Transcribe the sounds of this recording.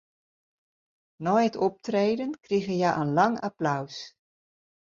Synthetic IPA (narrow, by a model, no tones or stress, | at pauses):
nɔjətɔp̚treːdənkriɣəjɛjʔənlɑŋa̰plaws